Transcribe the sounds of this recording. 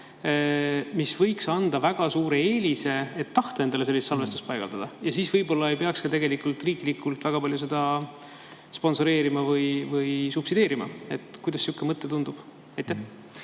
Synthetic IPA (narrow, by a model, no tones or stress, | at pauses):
misv̥ɤjksɑnd̪̥ɑvæɡ̥ɑsuːɾe̞eːlʲise̞et̪ːɑht̪oe̞nd̪̥ɑlese̞lːist̪sɑlve̞st̪u̥spɑjɡ̥ɑ̰ld̪ɑd̪̥ɑjɑsiːsvɤjbo̞lːɑe̞jpeɑkskɑt̪e̞ɡ̥e̞likˑult̪ˑriːklikːˑult̪ˑvæɡ̥ɑpɑlʲjuse̞d̪ɑ | spo̞nso̞ɾe̞ːɾimɑvɯjvɯjsupsid̪̥e̞ːɾimɑ̰e̞t̪kujd̪̥ɑsːjukːˑemɤt̪ˑːet̪und̪̥ub̥ | ɑjt̪ːˑæ